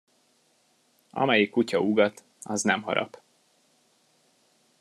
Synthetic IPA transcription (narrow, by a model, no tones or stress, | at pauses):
ɒ̰mɛjikːucɒuɡɒt̪ | ɒznɛmɦɒ̰ɾɒ̰p